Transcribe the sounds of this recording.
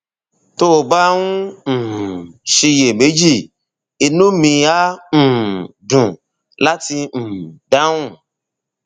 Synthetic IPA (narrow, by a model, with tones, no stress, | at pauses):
to˦o˨ba˦ũ˦ñ̩˨ʃi˧je˨me˨˦d͡ʒi˦˨ | e˧nũ˦mĩ˧a˦ñ̩˨dũ˨ | la˦ti˧ñ̩˨da˨˦wũ˦˨